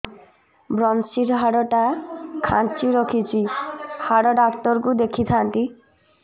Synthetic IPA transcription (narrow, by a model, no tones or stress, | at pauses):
bɾɔnsiɾɦaɽɔʈakʰa̰nt͡ʃiɾokʰit͡ʃʰihaɽɔɖakt̪ɔɾkud̪ekʰit̪ʰant̪i